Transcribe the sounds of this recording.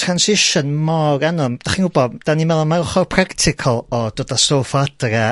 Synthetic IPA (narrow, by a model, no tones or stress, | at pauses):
tʰransɪʃənmɔrɛnʊmd̥aχiːnhʊbɔdd̥animɛlˠɔnmaɾɔχɔrpʰraktʰɪkʰɔlˠɔd̥oːdastoːfɔadra